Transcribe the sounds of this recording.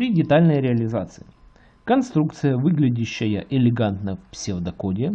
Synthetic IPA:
pɾʲɪdʲɪt̪alʲnəjɾʲɪɐlʲɪzat̪sɨ̥ɪ | kɐnst̪ɾuk̚t̪sɨjəvɨɡlʲɪdʲɪɕːɪjə̰ʔɪlʲɪɡant̪nəfpsʲɪvd̪ɐkodʲɪ

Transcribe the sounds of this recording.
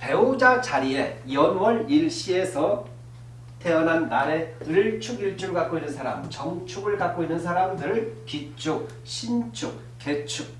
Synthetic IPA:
pe̞od͡ʑat͡ɕaɾie̞jʌnwʌɾiɭɕ͈ie̞sʰʌ | tʰe̞ʌnɦanːaɾe̞ɯɭt͡ɕʰuɡiɭt͡ɕʰuɡɯɭkak͈oinːɯnsʰaɾa̰mt͡ɕʌŋt͡ɕʰuɡɯɭkak̚k͈oinːɯns̬ʰaɾamdɯɾɯɭkit͡ɕ͈ʰuk̚ | ɕʰint͡ɕʰuk̚ | k͈e̞t͡ɕʰuk̚

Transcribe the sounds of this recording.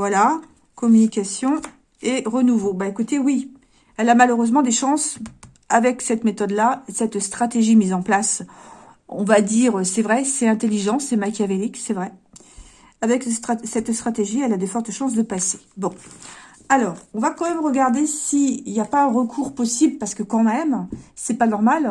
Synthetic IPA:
vwala | kɔmynikʲasjɔ̃ | eʁənuvobaekut̪ewi | ɛlamaløʁøzmɑ̃d̪eʃɑ̃s | avɛksɛt̪met̪ɔd̪lasɛt̪st̪χat̪eʒimizɑ̃plas | ɔ̰̃vad̪iʁøsɛvʁɛsɛt̪ɛ̃t̪eliʒɑ̃sɛmakʲjaveliksɛvʁɛ | avɛkst̪χsɛt̪st̪χat̪eʒiɛlad̪efɔʁt̪ʃɑ̃s̬d̪əpase̥bɔ̃ | alɔːʁɔ̃vakɑ̃mɛmʁəɡaʁd̪esiiljapaɛ̃ʁəkʰuʁpɔsibləpaʁsə̥kəkɑ̃mɛmsɛpanɔʁmal

